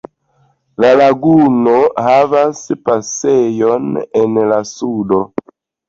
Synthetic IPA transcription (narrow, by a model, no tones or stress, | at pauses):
lalaɡunohavaspasejonenlasudo̞